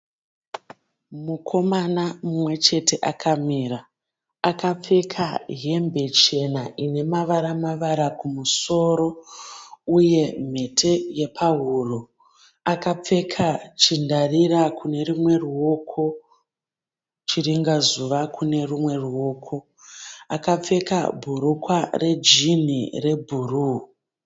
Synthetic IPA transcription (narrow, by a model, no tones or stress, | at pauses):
mukʰo̞manamumwe̞t͡ʃe̞tʰe̞ʔakʰamiːɾa | akap͡fe̞kʰaɦe̞mbe̞t͡ʃe̞naʔine̞maʋaɾamaʋaɾakumuso̞ːɾo̞ | uje̞m̤e̞tʰe̞je̞pʰaɦuro | akap͡fe̞kʰat͡ʃindarirakune̞rumwe̞ruo̞kʰo̞ | t͡ʃiriŋɡazuʋakune̞rumwe̞ruwo̞ːkʰo̞ | akap͡fe̞ka̰bʱuɾukware̞d͡ʒin̤ire̞bʱuruː